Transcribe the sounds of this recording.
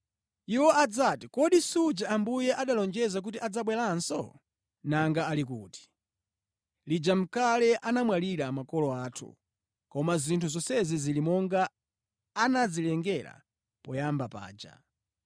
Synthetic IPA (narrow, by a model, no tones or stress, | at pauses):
iwɔad͡zatikɔɗisud͡ʒaambujɛʔaɗalɔnd͡ʒɛzak̬utiʔad͡zaɓwɛlansɔ̰ | naŋɡaalik̬uːti̥ | lid͡ʒam̩kalɛʔanamwaliɾamakɔlɔaːtʰṵ | kɔmazintʰuzɔsɛzizilimɔŋɡaː | nad͡zilɛŋɡɛla̰ | pɔjambapa̰ːd͡ʒa̰